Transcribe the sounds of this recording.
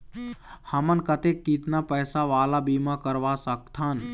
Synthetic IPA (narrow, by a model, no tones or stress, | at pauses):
həmənkət̪ekːit̪napəjsaʋaːlabiːmãkəɾʋasək̚t̪ʰən